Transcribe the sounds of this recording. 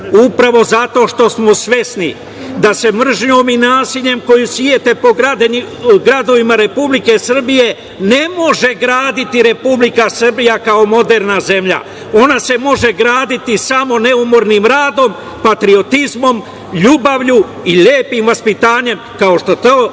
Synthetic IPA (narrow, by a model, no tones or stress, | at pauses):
upɾaʋo̞zat̪o̞ːʃt̪o̞smo̞sʋje̞snḭ | d̪ase̞mr̩ʒɲoːminaːsiʎe̞mko̞jusʋjet̪e̞po̞ɡɾad̪ | ɡɾad̪o̞ʋimaɾe̞publike̞sr̩bije̞ | ne̞mo̞ʒe̞ɡɾaːd̪it̪iɾe̞publikasr̩bijakao̞mo̞d̪eɾnaze̞mʎa̰ | o̞nase̞mo̞ʒe̞ɡɾaːd̪it̪isamo̞ne̞umoɾnimɾaːd̪o̞m | pat̪ɾio̞t̪izmo̞m | ʎuːbaʋʎu | iʎeːpimʋaspit̪aːɲe̞mkao̞ʃt̪o̞t̪oː